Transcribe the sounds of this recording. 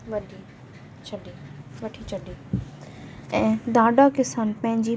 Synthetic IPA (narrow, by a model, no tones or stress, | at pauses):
ʋɐɗi | t͡ʃʰɐɗiʋɐʈʰit͡ɕʰɐɗiː | ɛ̃ːd̪aːɖakɪsaːnpɐ̃ɦɪ̃ɲd͡ʑiː